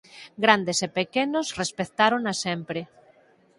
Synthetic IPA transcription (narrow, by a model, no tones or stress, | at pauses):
ɡɾand̪esepekenosrespet̪aɾonasempɾe